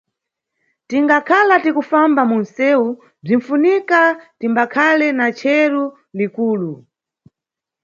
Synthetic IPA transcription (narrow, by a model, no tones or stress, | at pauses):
tiŋɡakʰalatikufambamun̩sɛu | b͡ʐin̩funikatimbakʰalɛnat͡ʃʰɛɾu | likuːlu